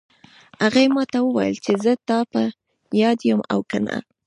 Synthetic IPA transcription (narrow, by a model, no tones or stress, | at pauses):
haɣajmɑt̪awəwajə̰lt͡ʃezət̪ɑpa | jɑd̪jəma̰wkana̰